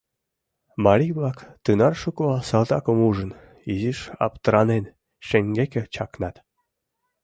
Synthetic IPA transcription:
mɑlʲiβlɑkt̪ynɑrʃukosɑlt̪ɑkəmuʒən | iziʃɑ̰pt̪əɾɑnen | ʃeŋɡʲekĕt͡ɕɑknɑt̪

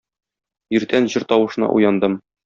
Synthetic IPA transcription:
jĭɾt̪ænʑɤ̆ɾt̪ɒwɤ̆ʃ̆nɑ̰ʔṵjɑnd̪ɤm

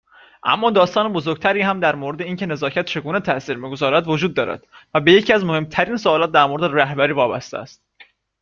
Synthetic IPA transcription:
ʔæ̰mːɒːd̪ɒːst̪ɒːnebo̞zoɾɡ̚t̪ʰæɾiːhæmd̪æɾmoɾed̪e̞iːncʰe̞ne̞zɒːcʰæt̪̚t͡ʃʰe̞ɡuːne̞t̪ʰæʔsiːɾmiɡozɒːɾæd̪vo̞d͡ʒuːd̪ːɒːɾæ̰d̪̥væbe̞je̞cʰiːæzmo̞he̞mt̪ʰæɾiːnsoɒːlɒːt̪̚d̪æɾmoɾed̪eɾæhbæɾiːvɒːbæ̰st̪eæ̰st̪̚

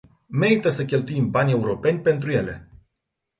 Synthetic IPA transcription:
me̞ɾit̪əsəkʲe̞lt̪uimbanʲe̞uɾo̞pe̞nʲpe̞nt̪ɾuje̞le̞̰

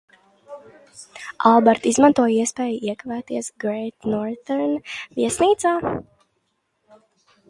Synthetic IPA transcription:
alˠbɛɾt̪izmant̪uɔjiɛspeːjuiɛkavæːt̪iɛsɡɾɛjt̪nɔɾt̪ɛɾnviɛsniːt̪saː

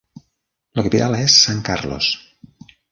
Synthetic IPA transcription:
ləkapit̪alaesːaŋkaɾlo̰s

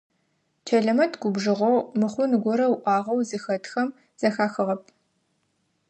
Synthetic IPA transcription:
t͡ʃʰɐɮɐmɐtʰɡʷʊbʒɨʁʷowmɨχʷʊnɡʷɔɾɐwʔʷɑːʁɐwzɨxɐtʰxɐm | z̥ɐxaːxɨʁɐp̚ʰ

